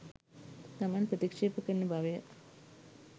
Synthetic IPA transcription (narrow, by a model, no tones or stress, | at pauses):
t̪amaːnɐpɾɐt̪ikʂeːpɐkɐnːɐbʱaːʋɐjɐ